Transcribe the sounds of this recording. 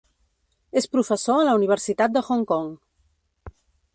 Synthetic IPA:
espɾufəsoələuniβ̞əɾsit̪at̪̚d̪əxoŋkɔŋ

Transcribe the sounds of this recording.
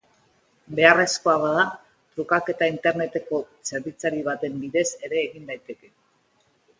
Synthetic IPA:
be̞are̞sko̞aβaða | t̪ɾukake̞t̪aint̪e̞ɾne̞t̪e̞ko̞ | se̞ɾβit͡saɾiβ̞at̪e̞mbiðe̞se̞ɾe̞ːɣind̪ajt̪e̞ke̞

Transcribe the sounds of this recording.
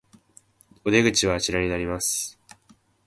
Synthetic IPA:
od̪e̞ɡɯ̟t͡ɕiβaːt͡ɕiɾaɲ̟inaɾʲimasɨ̥

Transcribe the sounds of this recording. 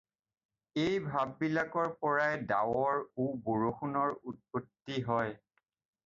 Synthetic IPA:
ejbʱabːilakɔɹpɔɹajda̰wɔɹuboɹoxunɔɹut̚potːiɦɔj

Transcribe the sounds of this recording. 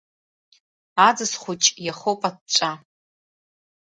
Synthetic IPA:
ad͡zɨsχʷʊt͡ʃʼjaχowpʼat̚t͡ʃʷʼa

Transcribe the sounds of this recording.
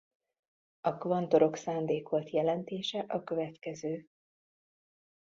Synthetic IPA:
ɒkvɒnt̪o̞ɾo̞ksaːnd̪eːkʋo̞lt̪jɛlɛnt̪eːʃɛʔɒkø̞vɛt̪kɛzøː

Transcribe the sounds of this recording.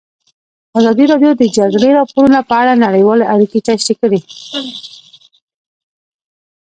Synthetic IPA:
azɑd̪iɾɑɖjod̪əd͡ʒaɡleɾɑpoɾunapəaɽanaɽəjwɑleʔaɾiket͡ʃaʃt̪ekəɽi

